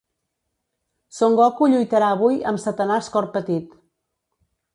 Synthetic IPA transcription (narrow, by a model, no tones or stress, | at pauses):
soŋɡɔkuʎujt̪əɾaəβujəmsət̪ənaskɔrpət̪it̪